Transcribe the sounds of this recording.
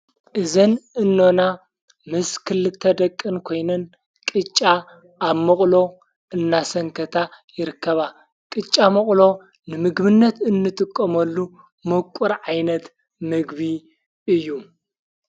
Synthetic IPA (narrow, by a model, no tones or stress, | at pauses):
ʔɨzɐnɨnːo̞na | mɨskʰɨlːɨt̪ʰːɐd̪ɐkʼːɨnkʰo̞jnɐn | kʼɨt͡ʃʼːa | aβmɐχʼlo̞ | ɨnːasɐŋkʰɐt̪ʰajɪɾɨkʰːɐβa | kʼɨt͡ʃʼːamɐχʼlo̞ | nɨmɨɡbɨnːɐt̪ɨnːɨt̪ʼɨkʼːɐmɐlːu | mɨkʷʼuɾʕajnɐt̪ | mɨɡβi | ɨjːu